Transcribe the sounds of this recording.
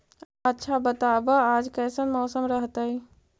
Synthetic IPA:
ətːʃʰabət̪aːbaaːd͡ʒkɛːsənmɔːsəmɾəɦt̪aɦi

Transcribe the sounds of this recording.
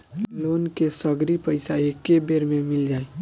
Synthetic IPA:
loːnkesəɡɾipəɪsaekebeːɾmẽmɪld͡ʒaːe

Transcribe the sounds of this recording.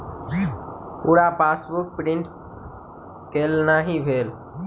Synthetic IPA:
uːɽaːpaːsbʊk̚pɾɪ̃ɳʈ | keːlnaːɦĩːbʱeːl

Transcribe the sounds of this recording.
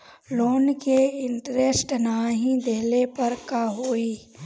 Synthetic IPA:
loːnkeɪɳʈɾesʈnaːɦĩd̪eːlepɐɾkaɦoːiː

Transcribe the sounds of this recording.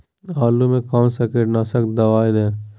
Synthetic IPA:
aːlumẽkaːmsɛkeɖnaːsəkd̪ɐʋaːɪd̪ɛ̃ː

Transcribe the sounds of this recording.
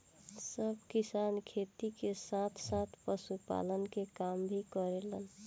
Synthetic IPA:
səbkisankʰet̪ikesat̪ʰsat̪ʰpəsupa̰lənkekambʱikəɾelən

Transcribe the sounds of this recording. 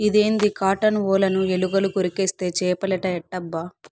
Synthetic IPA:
id̪eːnd̪ikaːʈɐnʋɔːlɐnueluɡɐlukoɾikeːst̪e̞ːt͡ʃɛːpɐlɛʈɐɛʈːɐbːa

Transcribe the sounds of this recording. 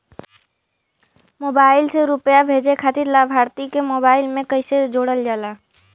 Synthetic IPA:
moːbaːɪlseɾʊpjabʱeːd͡ʒekʰaːt̪ɪɾlaːbʱaːɾt̪ikemoːbaːɪlmẽkəɪsed͡ʒoːɽəld͡ʒalaː

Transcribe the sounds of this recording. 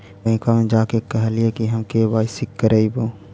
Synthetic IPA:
bɛ̃ːkamẽd͡ʒaːkekɐɦliekiɦɐmkebaːɪsɪkːəɾeiboː

